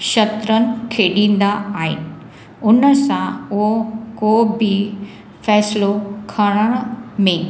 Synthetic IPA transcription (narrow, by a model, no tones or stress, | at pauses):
ʃɐt̪ɾənɪ̆kʰeːɗĩːn̆d̪aaːɦɪ̰nɪ̆ | ʊnəsãʊɦokoːbʱɪ | fɛːslokʰəɽ̃əɽ̃mẽ